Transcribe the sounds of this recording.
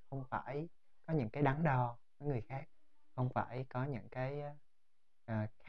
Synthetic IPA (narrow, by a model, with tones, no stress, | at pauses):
xə˧wŋ͡mfaː˧˩j | kɔ˨˦ɲɨ̰˧˥ŋkaː˨˦jɗa˨˦ŋɗɔ˨˩vəː˨˦jŋɨ˨˩əjxaː˦˥k̚ | xə˧wŋ͡mfa̰ː˧˩jkɔ˨˦ɲɨ̰˧˥ŋkaː˨˦j | ʔəː˨˩x